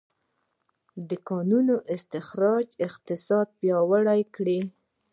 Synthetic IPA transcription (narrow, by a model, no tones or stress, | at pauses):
d̪əkɑnunoʔɪst̪ɪxɾɑd͡ʒɪqt̪ɪsɑd̪̚pjɑwaɽajkɽi